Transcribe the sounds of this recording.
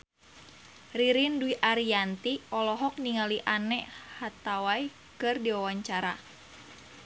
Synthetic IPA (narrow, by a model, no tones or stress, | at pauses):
riɾinduiʔaɾiant̪iɔlɔɦɔk̚niŋaliʔanɛhat̪awai | kɨrdiwawaɲt͡ʃaɾa̰